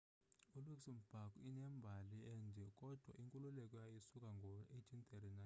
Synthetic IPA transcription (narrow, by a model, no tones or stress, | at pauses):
uluksim̩b̥ʱakʼuinɛmbʱaliɛnd͡zʱɛkʼɔd̥ʱwa̰ʔiŋkʼululɛkʼɔjajisukʼaŋɡʱɔetʰint̪ʰɛrinan